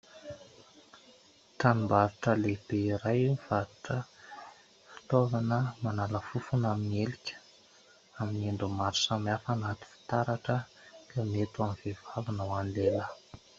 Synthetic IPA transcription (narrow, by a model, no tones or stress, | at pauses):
t̪animbaɾuʈ͡ʂəleb̥eiɾajv̥aɾuʈ͡ʂə | fi̥t̪ovanəmanaləfufunaminelikʲə̥ | amineɳɖ͡ʐumaɾu̥samiafanat̪u̥fi̥t̪aɾaʈ͡ʂə | kamet̪uamivevavunəwanilelə